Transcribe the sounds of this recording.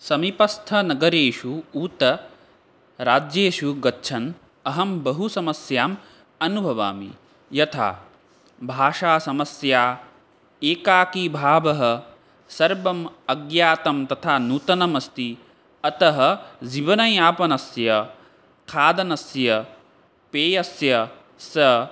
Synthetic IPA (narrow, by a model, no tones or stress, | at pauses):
sɐmipɐst̪ʰɐnɐɡɐɾeːʂuuːt̪ɐ | ɾaːd͡ʒjeːʃuɡɐtːʃʰɐn | ɐɦɐmbɐɦusɐmɐsjaːm | ɐnubʱɐʋa̰ːmḭ | jɐt̪ʰa̰ː | bʱaːʂaːsɐmɐsjaː | eːkaːkibʱaːbɐɦɐ̆ | sɐɾbɐmɐɡjaːt̪ɐmt̪ɐt̪ʰaːnuːt̪ɐnɐmɐst̪i | ɐt̪ɐɦɐ̆d͡ʒiʋɐnɐjaːpɐnɐsjɐ | kʰaːd̪ɐnɐsjɐ | peːjɐsjɐ | sɐ